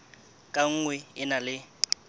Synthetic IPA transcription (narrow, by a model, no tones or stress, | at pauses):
kʼaŋ̩ŋwɛɪnalɪ